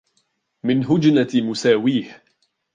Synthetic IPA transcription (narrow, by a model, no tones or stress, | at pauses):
mɪnɦʊd͡ʒnamʊsaːwiːh